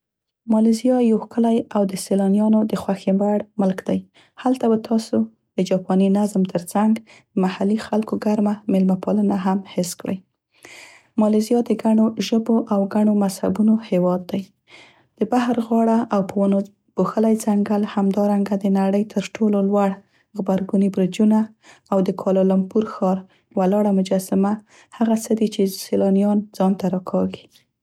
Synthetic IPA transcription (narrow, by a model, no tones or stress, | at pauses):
mɑlezijɑjowkəlajawd̪əselɑnjɑnod̪əxwaxembaɽmʊlkd̪aj | halt̪abat̪ʰɑso | d̪̥əd͡ʒɑpɑninazmt̪ʰəɾt͡saŋɡ | d̪̥əmahalixalkoɡaɾmamɪlmapɑlənaɦamhɪskɽə̰j | mɑlezijɑd̪əɡaɳoʒəboʔawɡaɳomasha̰bunohewɑd̪ːaj | d̪̥əbahɾɣɑɽaʔawpəwano | b̥oxəlajzaŋɡəlhamd̪ɑɾaŋɡad̪ənaɽəjt̪ʰəɾʈʰololwaɽ | ɣbaɾɡunibɾɪd͡ʒunaː | wd̪əkʰɑlɑlampuɾxɑɾ | walɑɽamʊd͡ʒɑsɪma | haɣasəd̪it͡ʃeselɑnijɑnd͡zɑnt̪aɾɑkʰɑɡi̥